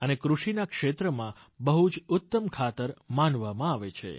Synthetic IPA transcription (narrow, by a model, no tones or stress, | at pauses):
ənekɾuʃinakʃet̪ɾəmã | bəɦud͡ʒʊt̪ːəmkʰat̪əɾmanʋamãaʋet͡ʃʰḛ